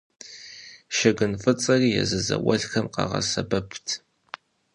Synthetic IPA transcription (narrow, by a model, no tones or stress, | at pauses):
ʃɐɡɨnfɨt͡sʼɐriːjɛzɨzɐwɐɮxɐmqɑʁɐ̰sɐbɐpʰtʰ